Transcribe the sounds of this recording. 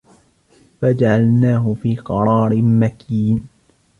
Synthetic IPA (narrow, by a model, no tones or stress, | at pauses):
fad͡ʒaʕalnaːɦʊfiːqɑɾˤɑːɾɪmakʰiːn